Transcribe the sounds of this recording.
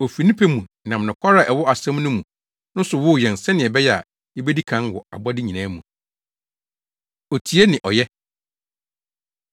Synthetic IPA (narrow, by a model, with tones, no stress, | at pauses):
ɔ˨fi˨nĩ˦pʰe˦mũ˨ | nã˨m˨nɪ̃˨kʰʷa˦ɾa˨ʔɛ˨wɔ˦a˨sɛ̃˦m˦nʊ̃˦mũ˨ | nʊ̃˦n˦sʊ˨wʊ˦˨jɛ̃˨n˨sɛ̃˦nɪ̃˨ɛ˨bɛ˦jɛ˦˨a̰˨ | jɛ˦be˦di˦kʰã˨˦nwɔ˨a̰˨bɔ˦dɪ˦ɲĩ˨nãː˦mũ˨ | ɔ˨tʰi˨˦e˦nɪ̃˨ʔɔ˨jɛ˦